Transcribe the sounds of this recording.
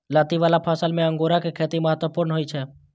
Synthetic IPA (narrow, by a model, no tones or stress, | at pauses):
laːt̪iʋaːlapʰaːsəlmẽə̃ŋɡoːɾakekʰeːt̪iməɦət̪ʋəpʊːɾnɦoːit͡ʃʰɛː